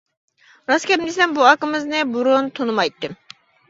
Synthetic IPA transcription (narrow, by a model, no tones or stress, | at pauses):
ɾɑskʲɛmd̪esɛmbuɑkɨmɨznɨbuɾunt̪ʰonɨmɑjt̪ːɨ